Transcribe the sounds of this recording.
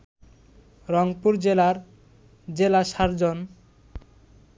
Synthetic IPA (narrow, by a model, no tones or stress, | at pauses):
ɾɔŋpuɾd͡ʑelaɾ | d͡ʑelaʃaɾd͡ʑon